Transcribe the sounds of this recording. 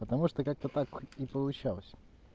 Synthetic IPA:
pət̪ɐmuʂt̪okak̚t̪ət̪akipəlˠʊt͡ɕalˠəsʲ

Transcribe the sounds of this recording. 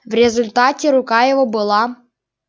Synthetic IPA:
vɾʲɪzʊlʲt̪atʲɪɾʊkajɪvobɨlˠa

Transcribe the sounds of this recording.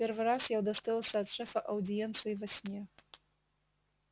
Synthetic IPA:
pʲɛrvɨɾasjawd̪ast̪ɨlˠɐsʲɐːt̪ʂɛfɐʔɐwd̪ʲijɛnt̪sɨjivasʲnʲɛ

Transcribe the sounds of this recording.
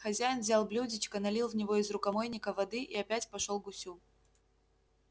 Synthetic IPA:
xɐzʲæjɪnvzʲalˠblʲudʲɪt͡ɕkənɐlʲilˠvnʲɪvo̞ɪzɾʊkɐmojnʲɪkəvɐd̪ɨʔiɐpʲætʲpɐʂolˠɡʊsʲu

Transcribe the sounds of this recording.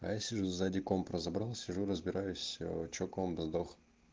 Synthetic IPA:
ajasʲɪʐuzadʲɪkompɾəzɐbɾalˠsʲɪʐuɾəzbʲɪɾajʊsʲt͡ɕokombzd̪ox

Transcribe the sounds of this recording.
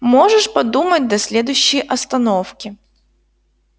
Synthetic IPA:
mɔʐɛʂpɐd̪umɐd̚ʲd̪ɐsʲlʲɛd̪ʊjɕːɪjʔɐst̪ɐnɔwkʲɪ

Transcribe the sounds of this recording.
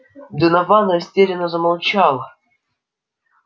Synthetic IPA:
d̪ɨnɐvanəsʲtʲeɾʲɪnəzəmalˠt͡ɕalˠə

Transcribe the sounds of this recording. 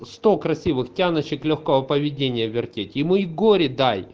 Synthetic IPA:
sst̪okɾɐsʲivɨxtʲanɐt͡ɕːɪklʲoxkovɐpəvʲɪdʲenʲɪjəvʲɪrtʲetʲɪmɨiɡoɾʲɪd̪aj

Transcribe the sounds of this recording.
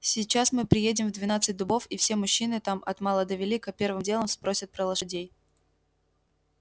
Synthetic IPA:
sʲɪjt͡ɕːasmɨpɾʲɪjedʲɪmvd̪vʲɪnat̪sɨt̚ʲd̪ʊbo̞fifsʲe̞mʊɕːinɨt̪amɐ̰t̪malˠəd̪əvʲɪlʲikəpʲe̞rvɨmdʲe̞lˠəmspɾosʲət̪̚pɾəlˠəʂɪdʲej

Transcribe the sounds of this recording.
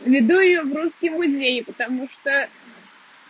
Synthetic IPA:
vʲɪd̪ujɪjɔvruskʲɪmmʊzʲejɪpət̪amuʂt̪o

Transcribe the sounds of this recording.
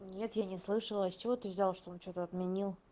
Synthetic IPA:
nʲe̞t̪janʲɪslˠɨʂəlˠəat͡ɕɪvot̪ɨvʲzʲalˠʂt̪oont͡ɕo̞t̪əɐt̪mʲɪnʲilˠ

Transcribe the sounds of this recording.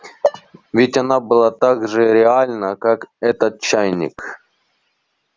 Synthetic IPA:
vʲɪtʲɐnabɨlˠat̪aɡʐɨɾʲɪalʲnəkakɛt̪ət̪̚t͡ɕːajnʲɪ̰k

